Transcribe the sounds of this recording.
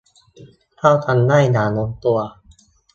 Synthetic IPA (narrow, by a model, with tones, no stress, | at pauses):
t̪ʰa˥˩wt̪ʰa˧nːa˥˩jnaː˩˦no˧˦nt̪u˧ɐ